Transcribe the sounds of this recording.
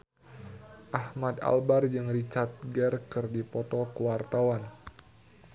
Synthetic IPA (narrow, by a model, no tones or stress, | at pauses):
ʔahmad̪a̰lbard͡ʒɨŋrit͡ʃart̪̚ɡɛrkərdipɔt̪ɔkəwart̪awan